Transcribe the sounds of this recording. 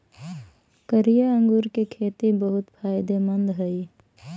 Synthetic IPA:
kəɾijaə̃ŋɡuːɾkekʰeːt̪ibəɦʊt̪pʰaːɪd̪emənd̪ɦəi

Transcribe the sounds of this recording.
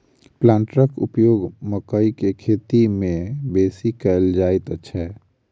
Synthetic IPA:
plãːɳʈɾəkʊ̰pjoːɡməkəikekʰeːt̪imẽbeːsikəld͡ʒaːɪt̪ətːʃʰɛː

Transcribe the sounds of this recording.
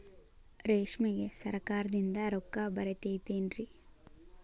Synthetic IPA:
ɾeːʂmiɡesɐɾɐkaːɾɐd̪ind̪ɐɾokːabɐɾet̪eːt̪eːnɾi

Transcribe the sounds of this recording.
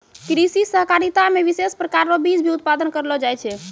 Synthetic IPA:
kɾisisəɦkaɾit̪ameʋisespɾəkaɾɾɔbid͡ʒbʱiut̪̚pad̪ənkəɾlɔd͡ʒajt͡ʃʰɛ

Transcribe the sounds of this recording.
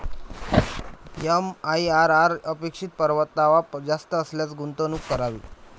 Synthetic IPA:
emaiaɾaɾəpekʂiːt̪̚pəɾʋət̪ːaʋad͡zast̪əːsljat͡sɡunt̪onuːkkːəɾaʋḭː

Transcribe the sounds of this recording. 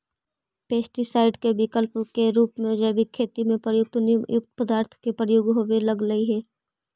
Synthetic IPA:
peːsʈisaːɪɖkebɪkəlpkeɾuːpmẽd͡ʒɛːbikʰːeːt̪imẽpɾəjʊk̚t̪njʊk̚t̪pəd̪aːɾt̪ʰkepɾəjoːɡɦowelɐɡləiɦɛː

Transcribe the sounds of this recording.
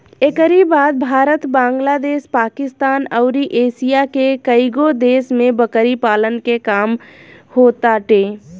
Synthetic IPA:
ekəɾibaːd̪̚bʱaːɾət̪bãːŋɡlaːd̪eːʃpaːkɪst̪aːnəʊɾiʔeːsijakekəɪɡod̪eːsmẽbəkəɾipaːlənkekaːmhoːt̪aʈeː

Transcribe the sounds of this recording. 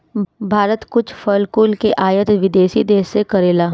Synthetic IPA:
bʱaːɾət̪kʊt͡ʃʰfəlkʊːlkeʔaːjət̪ʋɪd̪eːʃid̪eːsːekɐɾeːlaː

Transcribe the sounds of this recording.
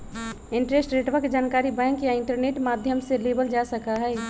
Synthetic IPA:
ɪɳʈɾesʈɾeʈʋakd͡ʒaːnkaːɾibɛ̃ːŋkjaɪ̃ɳʈəɾneʈmaːd̪ʱjəmselebəld͡ʒasəkaɦɛː

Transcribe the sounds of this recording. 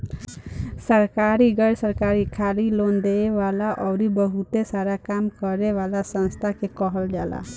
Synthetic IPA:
səɾkaɾiɡəɽsəɾkaɾikʰalilond̪eeʋalaʔɔwɾibəɦut̪esaɾakamkɔɾeʋalasə̃nst̪ʰakekɔɦəld͡ʒala̰

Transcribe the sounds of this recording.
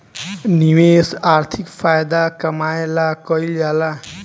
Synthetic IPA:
niwesaɾt̪ʰikpʰajd̪akəmaelakʌjljala

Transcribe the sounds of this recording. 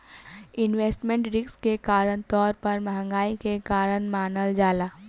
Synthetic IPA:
ɪnʋeːsʈmẽɳʈɾɪkskekaːɾəɳt̪ɔːɾpɐɾmɐɦə̃ŋɡaːikekaːɾənmaːnəld͡ʒaːlaː

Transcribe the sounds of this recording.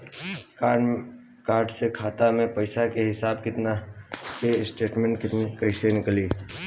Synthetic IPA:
kaːɾɖsekʰaːt̪amẽpɐɪsakeɦɪsaːbkɪt̪nakesʈeːʈmẽɳʈkɪt̪nikəɾisenɪkliː

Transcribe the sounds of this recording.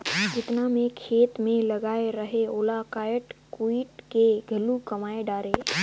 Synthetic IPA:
d͡ʒɪt̪namẽkʰeːt̪mẽlɐɡaːeɾɐɦeoːlakaːjʈkuiːʈkeɡʱɐlukɐmaːeɖaːɾeː

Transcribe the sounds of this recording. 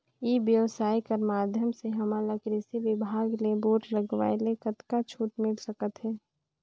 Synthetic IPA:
iʋjəʋsaːikəɾmaːd̪ʱjəmseɦəmaləkɾɪsiʋɪbʱaːɡleboːʈləɡʋa̰ːelekət̪kat͡ʃʰuːʈmɪlsəkət̪ɦɛː

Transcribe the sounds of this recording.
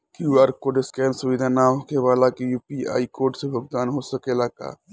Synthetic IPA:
kjuaɾkoɖɪskɛːnsuʋid̪ʱanaɦokeʋaːlakejupia̰ːikoːɾʈsebʱoɡ̚d̪aːnɦosəkelaːka̰

